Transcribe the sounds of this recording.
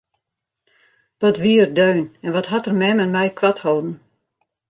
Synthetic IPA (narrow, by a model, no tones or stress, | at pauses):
ʋɔtʋiərdøːnɛnʋɔtɦatərmɛmənmɛjkʋathoːdn̩